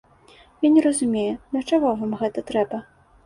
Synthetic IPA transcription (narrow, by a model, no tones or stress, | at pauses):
janʲɛɾɐzumʲejɛd̪ʲɐt͡ʂaɣɔvamɣɛt̪ɐt̪ɾɛbɐ